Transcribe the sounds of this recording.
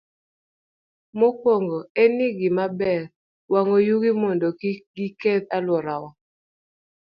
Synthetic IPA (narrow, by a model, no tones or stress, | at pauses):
mokwɔŋɡɔeniɡɪmabɛɾ | waŋojuɡimɔndɔkɡiketalwɔɾawɔ